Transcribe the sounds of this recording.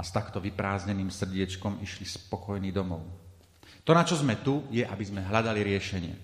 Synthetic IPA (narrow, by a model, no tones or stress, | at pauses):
ast̪akt̪ɔʋipɾaːzɲɛniːmsr̩ɟɪɛt͡ʃkɔmiʃlispɔkɔjniːd̪ɔmɔʊ | t̪ɔnat͡ʃɔzmɛt̪ujɛʔabizmɛɦlad̪aliɾɪɛʃɛɲɪɛ̰